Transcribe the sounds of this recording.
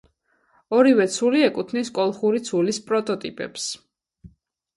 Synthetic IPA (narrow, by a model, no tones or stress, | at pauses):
ɔɾivɛt̪sʰuliɛkʼut̪ʰniskʼɔlˠχuɾit̪sʰulispʼɾɔt̪ʼɔt̪ʼḭpʼɛ̰ps